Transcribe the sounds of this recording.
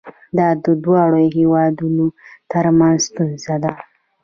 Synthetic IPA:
d̪ɑd̪əd̪wɑɽoɦewɑd̪unot̪əɾmanzst̪unzad̪a

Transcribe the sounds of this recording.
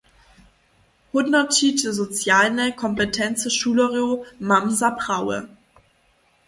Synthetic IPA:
hʊdnɐtidəzot͡sjaːlnəkʰɔmpətʰɛnt͡səʃuːləʁjomamzapʁawə̰

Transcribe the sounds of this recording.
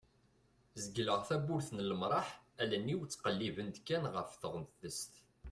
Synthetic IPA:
zəɡləʁθæbʊɾθnələmɾˤɑħælænːiwt͡sːqəlːivənd̪kːænʁəfθəʁənt̪ðəst̪

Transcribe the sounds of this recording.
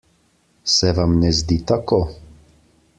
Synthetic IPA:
sɛʋamnɛzd̪it̪akoː

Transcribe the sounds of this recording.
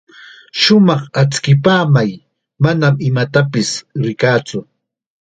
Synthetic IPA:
ʃʊmɑχat͡skɪpaːmaj | manamɪmat̪apɪsɾɪkaːt͡sʊ

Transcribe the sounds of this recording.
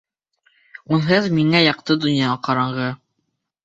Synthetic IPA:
unɦɤðmiŋæjɑq̚t̪ɤd̪ŏnjɑʁɑqɑɾɑɴɢɤ

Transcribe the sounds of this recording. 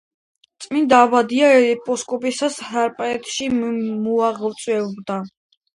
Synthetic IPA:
t̪sʼmind̪abad̪iaɛɛpʼɔskʼɔpʼisashaɾpʼɛt̪ʃimuaʁvt̪sʼwɛɔbd̪a

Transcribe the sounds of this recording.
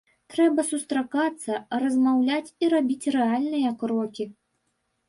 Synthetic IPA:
t̪ɾɛbɐsust̪ɾakat̪sːɐrɐzmawlʲat͡sʲiɾabʲit͡sʲrɛalʲnɨjɐkɾɔkʲi

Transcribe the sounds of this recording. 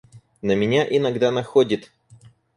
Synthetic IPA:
nəmʲɪnʲaʔɪnɐɡd̪anɐxodʲɪt̪

